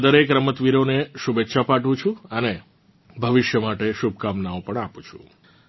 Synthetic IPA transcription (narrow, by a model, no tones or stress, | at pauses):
d̪əɾekɾəmət̪ʋiɾoneʃubetːʃʰapaʈʋũt͡ʃʰũəne | bʱəʋɪʃjəmaʈeʃub̚ʱkamnaõpəɳapũt͡ʃʰũ